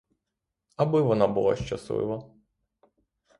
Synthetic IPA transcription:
ɐbɪʋɔnɑbʊlˠɑ̰ʃt͡ʃɐsʋɪ̰ʋɐ

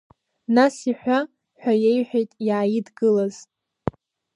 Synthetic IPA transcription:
nasiħʷᶣa | ħʷᶣajejħʷᶣejtʼjaːjidɡɨlaz̥

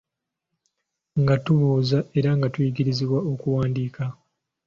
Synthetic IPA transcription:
ŋɡatuβuːzae̞ɾaŋɡatwiɡiɾiziβwao̞kuwaːndiːka

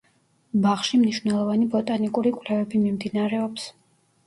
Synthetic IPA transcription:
baχʃimniʃwvnɛlˠɔvanibɔt̪ʼanikʼuɾikʼvlɛvɛbimimd̪inaɾɛɔps

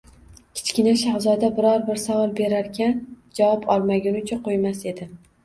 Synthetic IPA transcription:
kʲʰɪ̥t͡ʃkʲɪnaʃahzɒd̪abɪɾɒɾbɪɾsavɒlˠbe̞ɾaɾkʲʰand͡ʒavɒpʰɒlˠmaɡʲʊnʊt͡ʃʰaqʰojmase̞d̪ɪ

